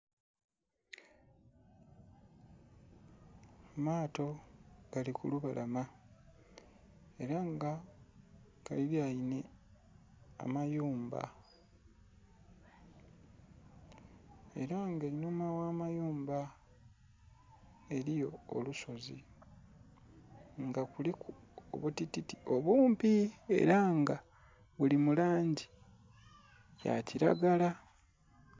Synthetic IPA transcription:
maːto̞ɡ̥alikuluβalʔama | e̞ɾaŋɡa | kaliljajine̞ | a̰majuːmba̰ | e̞̰ɾaŋɡelinomawaːmajuːmba | e̞ɾijo̞ːluso̞zḭ | ŋɡakuliku | o̰βutititio̞βuːmpie̞̰ɾaŋɡa | βulimulaːɲɟi | ja̰ciɾa̰ɡala

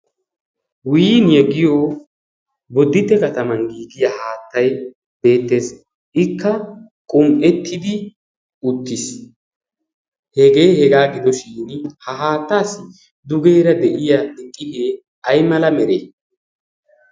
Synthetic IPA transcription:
wiːnjɛɡɪjoː | bɔd̪ːɪt̪ːɛkɐt̪ɐmɐnɡiːɡɪjahaːt̪ːɐj | b̥e̞ːt̪ːe̞ːs | ʔɪkːɐ | kʼʊmʼɛt̪ːɪd̪ɪ | ʊt̪ːɪs | hɛɡe̞ːhɛɡaːɡɪd̪ɔʃiːnhɐɦaːt̪ːaːsɪ | d̪ʊɡe̞ːɾɐd̪ɛʔɪjad̪ɪkʼːɪheː | ɐjmɐlɐmɛɾeː

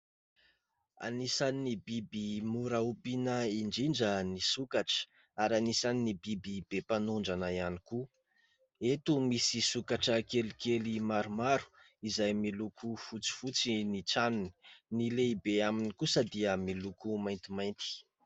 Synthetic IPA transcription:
a̰nisaninibibimuɾaupinəiɳɖ͡ʐiɳɖ͡ʐənisukaʈ͡ʂə̥ | aɾanisaninibibibepanuɳɖ͡ʐanaianiku | et̪umisisukaʈ͡ʂəkelikelimaɾumaɾu̥ | izajmilukʰufut͡si̥fut͡sinit͡sanuni̥nileibeaminikusad̪iəmilukumajnt̪imajnt̪i̥

